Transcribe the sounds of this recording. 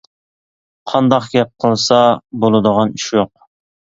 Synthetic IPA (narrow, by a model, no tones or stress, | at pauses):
qʰɑnd̪ɑqɡʲɛp̚qʰəlˠsɑbolˠɨd̪əʁɑniʃjoq̚